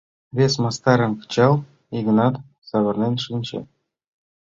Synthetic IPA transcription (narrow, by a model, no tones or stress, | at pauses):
βʲesmɑst̪ɑɾɤ̆mkt͡ɕɑlˠ | iɡnɑt̪ | sɑβɤ̆rnʲenʲʂɨnʲt͡ɕḛ